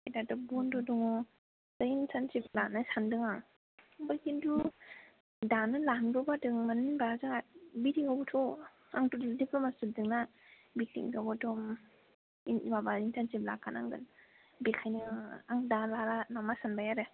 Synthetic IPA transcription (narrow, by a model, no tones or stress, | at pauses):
adatɔbɔndɔdɔŋɔ | zaintantiplanɯsandɯŋaŋ | bakindu | danɯlanɡɔbadɯŋmaninbazɯŋabidiŋabɔtʰɔ | aŋtudipʰlɔmasidɯŋna | bik̚tḭmkaɡɔtɔm | inibabaintantipla̰kanʔa̰ŋɡɯ̰n | bikʰajniŋaŋdalaɾanamasanbajaɾe